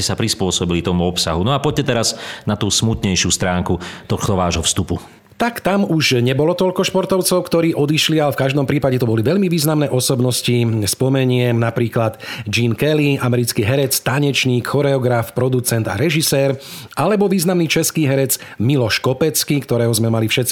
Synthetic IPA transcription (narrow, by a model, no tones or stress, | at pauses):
ɛsapɾispʊɔsɔbilit̪ɔmuɔpsaɦunɔapɔɟ̚cɛt̪ɛɾaznat̪uːsmut̪ɲɛjʃɪuːst̪ɾaːŋkut̪ɔxt̪ɔʋaːʒɦɔfst̪upu | t̪akt̪amuʒɲɛbɔlɔt̪ɔʎkɔʃpɔɾt̪ɔʊt͡sɔʊkt̪ɔɾiːʔɔd̪iʃlialɛfkaʒd̪ɔmpɾiːpaɟɛt̪ɔbɔliʋɛʎmiʋiːznamnɛːʔɔsɔbnɔscispɔmɛɲɪɛnapɾiːklad̪d͡ʒinkɛliamɛɾit͡skiːɦɛɾɛt͡st̪aɲɛt͡ʃɲiːkxɔɾɛɔɡɾafpɾɔd̪ut͡sɛnd̪a̰ɾɛʒisɛːɾ | ʔalɛbɔʋiːznamniːt͡ʃɛskiːɦɛɾɛt͡s | milɔʃkɔpɛt͡skikt̪ɔɾɛːɦɔzmɛmalifʃɛt̪t͡si